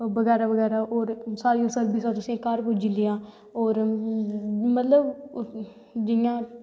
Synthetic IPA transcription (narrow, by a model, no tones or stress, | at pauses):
bəɡɛːɾaːbəɡɛːɾaːʔoːɾsaːɾiːõːsəlbiːsat̪ʊsĩːkəɾpʊd͡ʒilɪjãː | oːɾ | mət̪ləb | d͡ʒɪjãː